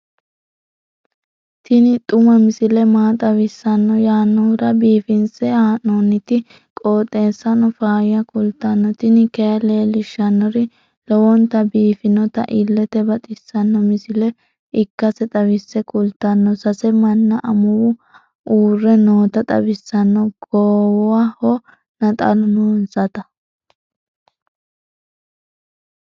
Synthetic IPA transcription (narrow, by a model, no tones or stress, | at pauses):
t̪ɪnɪt̪ʼʊmɐmɪsɪlɛmaːt̪ʼɐwɪsːɐnːɔjaːnːɔɾɐbiːfɪnsɛhaːnoːnːɪt̪ɪ | kʼoːt̪ʼe̞ːsːɐnɔfaːjɐkʊlt̪ːɐnːɔt̪ɪnɪkejɐleːlɪʃːɐnːɔɾɪ | lɔwɔnt̪ɐbiːfɪnɔt̪ɐ̰ʔɪlːɛt̪ɛbɐt̪ʼɪsːɐnːɔmɪsɪlɛ | ɪkːɐsɛt̪ʼɐβɪsːɛkʼʊlt̪ːɐnːɔsɐsɛmɐnːɐʔɐmʊwʊ | ʔuːrːɛnoːt̪ɐt̪ʼɐ̰bɪsːɐnːɔɡ̥oːwɔwahɔ | nɐt̪ʼɐ̰lʊnunsɐt̪ɐ